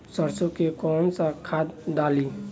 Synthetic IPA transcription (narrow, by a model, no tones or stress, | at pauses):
səɾsokekɔːnsakʰaːd̪d̪aːliː